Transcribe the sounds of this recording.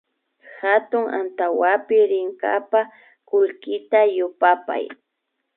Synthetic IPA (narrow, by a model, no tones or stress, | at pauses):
xat̪ʊŋa̰nt̪awapɪɾɪŋka̰pa | kʊlkɪt̪ajʊpapa̰j